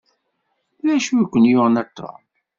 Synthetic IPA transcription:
læʃukʷːənjʊʁnæt̪ːa̰

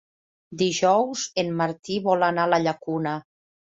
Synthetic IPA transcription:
d̪iʒɔwzemːaɾt̪iβɔlanalaʎakuna

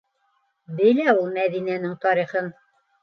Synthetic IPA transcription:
bɘ̆jlæulˠmæðinænɘŋt̪ɒɾiχɤn

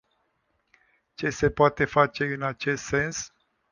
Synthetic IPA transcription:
t͡ʃe̞se̞poat̪e̞fat͡ʃe̞ɨnat͡ʃe̞st̪se̞ns

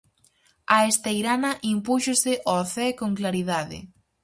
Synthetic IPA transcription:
aest̪ejɾanɐʔimpuʃosɪʔɔθɛkoŋklaɾiðaðɪ̰

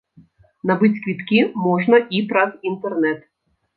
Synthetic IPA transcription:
nɐbɪtʲkʋʲit̪kʲimɔʒnɐʔipɾɐzint̪ernɛt̪

